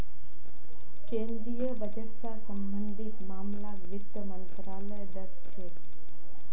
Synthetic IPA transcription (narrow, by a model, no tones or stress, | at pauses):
kẽːnd̪ɾijəbʱəd͡ʒəʈsasəmbənd̪ʱit̪maːmlaɡʋɪt̪ːəmənt̪ɾaːləjd̪əɾt͡ʃʰe